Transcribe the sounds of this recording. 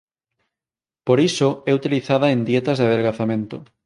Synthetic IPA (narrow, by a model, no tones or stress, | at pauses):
poɾisoɛut̪iliθaðaend̪jet̪ɐzðeað̞elɣaθamẽnt̪o